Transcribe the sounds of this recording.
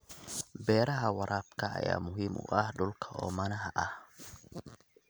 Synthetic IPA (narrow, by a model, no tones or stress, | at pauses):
bɛːɾɐɦɐwɑɾʔaːbkʰɐɐ̰jaːmʊɦiːmʊ̰ʔɐhɖʊlkʰɐɔːmɐnɐɦɐʔɐh